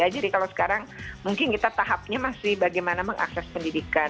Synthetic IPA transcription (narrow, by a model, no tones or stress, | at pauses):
ad͡ʒadikalawsə̥kaɾaŋmuŋkɪnkit̪at̪aɦap̚ɲamasɪhbaɡajmanaməŋʔa̰ksɛspəndidika